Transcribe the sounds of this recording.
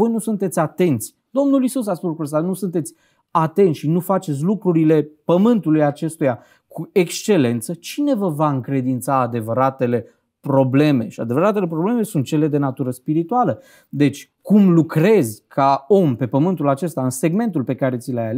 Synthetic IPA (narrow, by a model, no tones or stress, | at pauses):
o̞jnusunt̪e̞t̪sʲat̪e̞nt̪sʲ | d̪̥o̞mnulisus̬aspuslukɾuəs̬t̪anusunt̪e̞t̪sʲ | at̪e̞nt̪ʃinufat͡ʃet̪sʲlukɾuɾile̞pəmɨnt̪ulujat͡ʃe̞st̪uja | kuekst͡ʃe̞le̞nt̪sət͡ʃine̞vəvaɨŋkɾe̞d̪int̪saːd̪e̞vəɾat̪e̞le̞ | pɾo̞ble̞me̞ʃia̰d̪e̞vəɾat̪ele̞pɾo̞ble̞me̞sunt̪̚t͡ʃe̞le̞d̪e̞nat̪uɾəspiɾit̪ualə | d̪e̞t͡ʃʲ | kumlukɾe̞zʲkʰao̞mpe̞pəmɨnt̪ulat͡ʃe̞st̪aɨnse̞ɡme̞nt̪ulpe̞kaɾe̞t̪sʲileaja̰le